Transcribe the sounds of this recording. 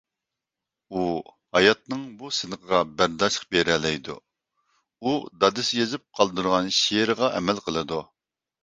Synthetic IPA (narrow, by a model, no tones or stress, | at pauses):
u | hɑjɑt̪̚nɨŋbusɪnəqʰəʁɑbæɾd̪ɑʃqbeɾɛlɛjd̪ṵ | ud̪ɑd̪ɨsjezɨp̚qʰɑlˠd̪uɾʁɑnʃeɾɨʁɑʔɛmɛlqʰəlˠɨd̪u